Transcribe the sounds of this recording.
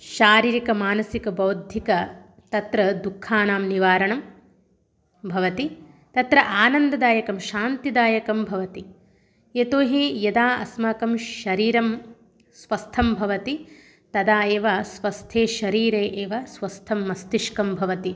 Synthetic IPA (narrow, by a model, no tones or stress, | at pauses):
ʃaːɾiːɾikɐmaːnɐsikɐbɐwd̪ʱjikɐ | t̪ɐt̪ɾɐd̪ukʰːaːnaːmniʋaːɾɐɳɐm | bʱɐʋɐt̪i | t̪ɐt̪ɾɐʔaːnɐnd̪ɐd̪aːjɐkɐmʃaːnt̪id̪aːjɐkɐmbʱɐʋɐt̪i | et̪oːɦijɐd̪aːɐ̰smɐkɐmʃɐɾiːɾɐm | sʋɐst̪ʰɐmbʱɐʋɐt̪i | t̪ɐd̪aːeːʋɐsʋɐst̪ʰeːʃɐɾiːɾeːʔeːʋɐsʋɐst̪ʰɐmːɐst̪iʃkɐmbʱɐʋɐt̪i